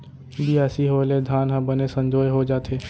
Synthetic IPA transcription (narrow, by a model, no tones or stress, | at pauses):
bʱiɛːsiɦoːled̪ʱaːnɦãbənesə̃ɲd͡ʒoːjɦod͡ʒaːt̪ɦeː